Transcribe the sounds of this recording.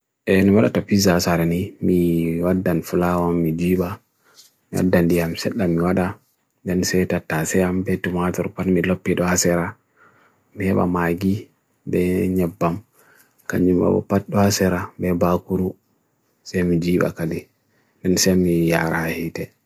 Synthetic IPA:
ʔɛniwaɗa̰tapizasaɾɛnimiwadːanfulawamːid͡ʒiːɓa | miwa̰dːandijamsɛɗːamiwaɗa | dɛnsɛtatːasɛambɛtumatɔɾpanmilopːiɗɔhasɛɾa | mihɛɓa̰maɡi | bɛɲɛbːam | ka̰ɲd͡ʒuma̰ɓɔ̰pat̚ɗɔhasɛɾabɛbakuɾu | sɛjmid͡ʒiːɓa̰kadi | dɛnsɛmijaɾahahitɛ

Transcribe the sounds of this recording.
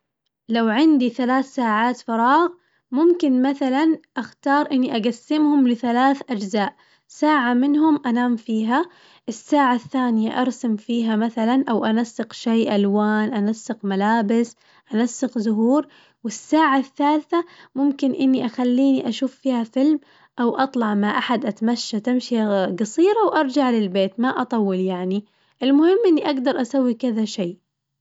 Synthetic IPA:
lawʕɪnd̪iθalaːθsaːʕaːt̪fɑɾˤɑːɣ | mʊmkɪnmaθalanʔaxt̪ɑːɾˤʔɪnːiʔaɡasːɪmhʊmlɪθalaːθʔad͡ʒzaːʔ | saːʕamɪnɦʊmʔanaːmfiːɦa | ʔɪsːaːʕaθːaːnɪja̰ʔɑɾˤsamfiːɦamaθalanʔawʔanasːɪqʃeːʔalwaːnʔanasːɪqmalaːbɪs | ʔanasːɪqzʊɦuːɾ | wɪsːaːʕaθːaːlθamʊmkɪnʔɪnːiʔaxalːiːniʔaʃuːfːiːhafɪlm | ʔawʔɑt̪ˤlɑʕmaʔaħad̪ʔat̪maʃːat̪amʃiɡɑsˤiːɾɑwʔɑɾˤd͡ʒaʕlɪlbeːt̪maʔɑt̪ˤɑwːɪljaʕni | ʔɪlmʊhɪmːʔɪnːiʔaɡd̪ɑɾˤʔasawːikɪðaʃeː

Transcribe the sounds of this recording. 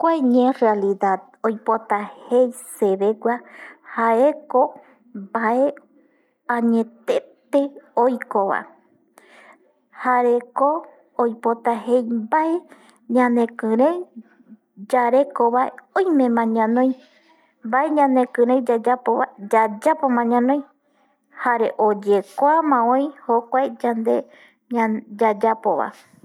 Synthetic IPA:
kʷaɲẽrealiðað | ojpot̪ahejseβeɡʷahaeko̞ | bae̞ | ãɲẽt̪et̪e̞ojkoβa̰ | haɾekoː | jpot̪ahejbae | ɲãnẽ̞kɨ̃ɾẽj | d͡ʒaɾe̞koβaeõjmẽ̞mãɲãnõj̃ | mbaeɲãnekɨ̃ɾ̃ejd͡ʒad͡ʒapoβad͡ʒad͡ʒapomãɲãnõj̃ | haɾe̞ʔod͡ʒekʷoamãõj̃hokʷaed͡ʒand̪e̞ | ad͡ʒad͡ʒapoβa̰

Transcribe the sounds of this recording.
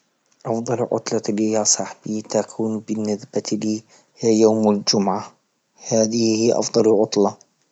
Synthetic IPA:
ʔɑfd̪ˤɑlʕʊ̰t̪ˤlɑliːjaːsˤɑħbiːt̪akʰuːnbɪnːɪsbaliː | jaːmald͡ʒʊmʕa | haːðɪhiːʔɑ̰fd̪ˤɑlʕʊt̪ˤlɑ

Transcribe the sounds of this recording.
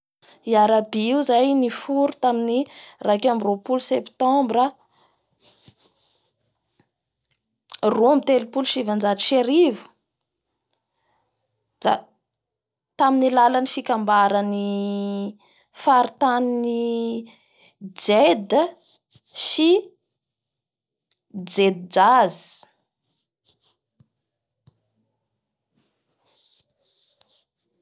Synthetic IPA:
iaɾabiiuzajnifuɾut̪aminirakamiropulusept̪ɔ̃mbɾə | rumit̪elupulʃivand͡ʒatiʃeɾivu̥ | da̰ | t̪aminilalanifikambaɾəni | faɾit̪anini | d͡zed̪ə | si | d͡zed̪id͡ʒazi̥

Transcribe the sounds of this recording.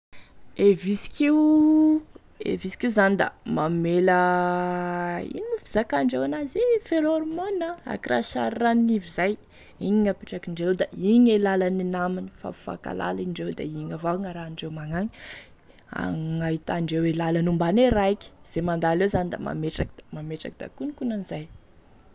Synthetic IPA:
evisi̥kiu | ḛvisi̥kiuzanid̪a̰mamelə | ḭnifizakaɳɖ͡ʐewanazifeɾoɾmonəa̰kira̰ʃa̰ɾːaninivizaj | iɲiŋapiʈ͡ʂakiɳɖ͡ʐewd̪aiɲelalaninamini̥fa̰fa̰ka̰la̰liɳɖ͡ʐewd̪a̰iɲavaŋaɾaɳɖ͡ʐewmaŋaɲi̥ | a̰ŋaɦit̪aɳɖ͡ʐewelalanumbaneɾaikʲi̥z̥emand̪alewzanid̪a̰ma̰meʈ͡ʂakid̪amameʈ͡ʂakid̪a̰kunikunanizaj

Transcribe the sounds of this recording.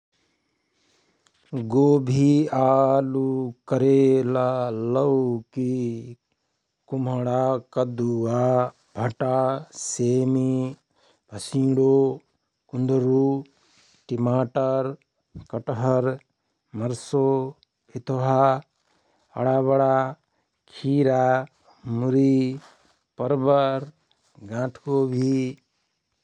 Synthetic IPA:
ɡoːbʱiaːlukɐɾeːlalɐwki | kumɐɽaːkɐd̪ua | bʱɐʈaːseːmi | bʱɐsĩːɽoː | kund̪əɾu | ʈimaːʈəɾ | kɐʈɦɐɾ | mɐɾso | pit̪ʰoɦa | ɐ̰ɽaːbɐɽaː | kʰiːɾaː | muɾi | pɐɾbəɾ | ɡãːʈʰkobʱi

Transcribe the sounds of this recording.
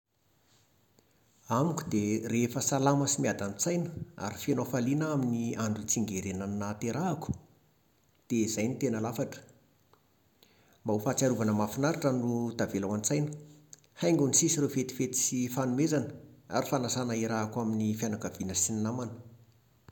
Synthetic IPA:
amiku̥d̪̥erefəsalaməsimiad̪ant͡sajnəa̰ɾifenofalinaminiaɳɖ͡ʐut͡siŋɡeɾenannat̪eɾaaku̥ | d̪̥ez̥ajnit̪enəlafaʈ͡ʂə̥ | mbaufat͡saɾuvanəmafinaɾaʈ͡ʂənud̪̥avelawant͡sajnə̥ | hajŋɡunisisirefet̪i̥fet̪i̥sifanumezanəa̰ɾifanasanaiɾaːkwaminifjanakav̥inəsininamanə̥

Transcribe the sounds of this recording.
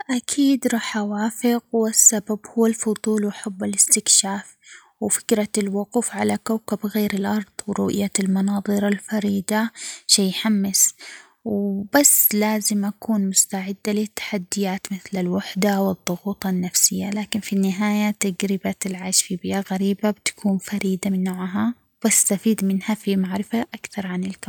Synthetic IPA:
ʔakʰiːd̪ɾˤɑːħawaːfɪɣwɪsːababhʊwːalfʊd̪ˤuːlwaħabːɪlɪst̪ɪkʃaːf | wfɪ̥kɾalwʊquːfʕalakawkabɣeːɾɪlʔɑɾˤðˤwɾʊ̰ʔjalmɑnɑːðˤɨɾalfɑɾiːd̪aʃejːħamːɪs | wbasːlaːzɪmʔakuːnmʊst̪aʕɪd̪ːalɪt̪ːḁħad̪ːɪjaːt̪mɪθlalwaħd̪awɨðˤːʊɣuːt̪ˤɑnːafsɪjːalaːkɪnfinːɪɦaːjat̪aɡɾɪbaɪlʕaːʃfibɪʔaɣaɾiːbabɪt̪ḁkʰuːnfɑɾiːd̪amɪnːaʕɦa | b̥ast̪afiːd̪mɪnhafimaʕɾɪfaʔakθɑɾˤʕanɪlka

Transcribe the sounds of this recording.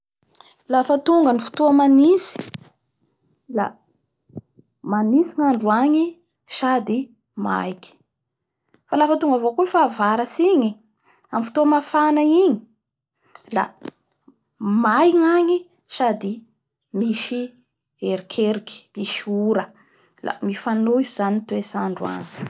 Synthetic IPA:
lafət̪uŋɡənifu̥t̪uəmanisi̥ | la̰ | manisiŋaɳɖ͡ʐuaɲi | sad̪i | ma̰jkʲi̥ | falafət̪uŋɡavokufaːvaɾəsiɲi | amfi̥t̪omafanaiɲi̥ | la̰ | majŋaŋi | ʃad̪i | miʃi | eɾikʰeɾiki̥iʃiuɾə | la̰mifanoizizanit̪uesaɳɖ͡ʐua̰ŋi̥

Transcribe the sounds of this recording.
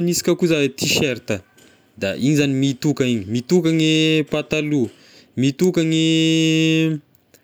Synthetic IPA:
nisi̥kʲəkuzaet̪ʰiʃeɾt̪ə | d̪a̰iɲizanimit̪ukəiɲimit̪ukaŋepat̪alu | mit̪ukaŋe

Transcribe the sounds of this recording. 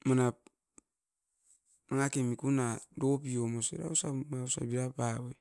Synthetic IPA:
manap̚ | aŋakemikunadopiomosḛɾa̰usamausa̰biɾapawe

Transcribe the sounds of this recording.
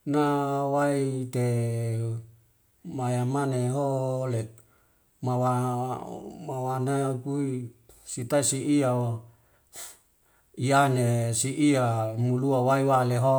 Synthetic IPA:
nawait̪e | majamaneɦolek̚ | mawa | mawanakuisit̪aisiʔiawo | ianesiʔiamuluawaiwaleɦo

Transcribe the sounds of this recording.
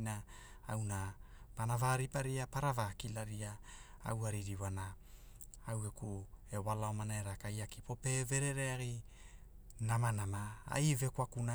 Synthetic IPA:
na | awna | panavaɾipaɾiapaɾavakilaɾiaa̰waɾiɾiwana | awekuewalaomanaeɾakajaki̥po̞pe̞ve̞ɾe̞ɾeaɡi | namanamaa̰jve̞kwakuna

